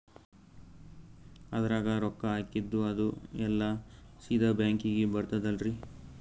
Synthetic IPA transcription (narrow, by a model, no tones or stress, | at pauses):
ɐd̪ɐɾaːɡɐɾɔkːɐaːkid̪ːuɐd̪uɛlːɐsiːd̪ɐbjaːŋkiɡebɐɾt̪ɐd̪ɐlɾi